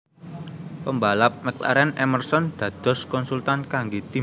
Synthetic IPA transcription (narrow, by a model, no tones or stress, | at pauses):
pəmbalap̚mɛkla̰ɾɛnɛmərsɔnd̪̥ä̤d̪̥ɔ̤skɔnsult̪ankaŋɡet̪i